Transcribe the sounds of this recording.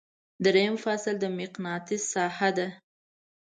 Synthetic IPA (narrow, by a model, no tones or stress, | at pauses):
d̪ɾejəmfɑsɪld̪əmɪqnɑt̪isɑhad̪a